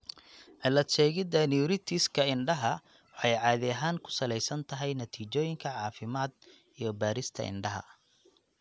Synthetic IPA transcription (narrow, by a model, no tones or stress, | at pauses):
ʕɪlɐt̪ʃɛːɣɪd̪ɐnuɾɪt̪ʰɪskʰɐɪɳɖɐɦɐ | wɑħɑjʕɑːðɪɐɦaːŋkʰʊ̥sɐlɛjsɐnt̪ʰɐɦɛjnɐt̪ʰiːt͡ʃɔːjɪŋkʰɐʕɑːfɪmaːd̪ | ijɞbaːɾɪst̪ʰɐ̰ɪ̰ɳɖɐɦɐ̰